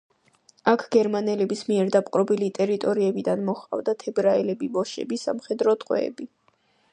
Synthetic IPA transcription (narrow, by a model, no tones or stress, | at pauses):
akʰɡ̥ɛɾmanɛlɛbismiɛɾd̪apʼqʼɾɔbilit̪ʼɛɾit̪ʼɔɾiɛbid̪anmɔχʼa̰vd̪at̪ʰɛbɾaɛlɛbibɔʃɛ̰bisa̰mχɛd̪ɾɔt̪ʼqʼwɛ̰ːbi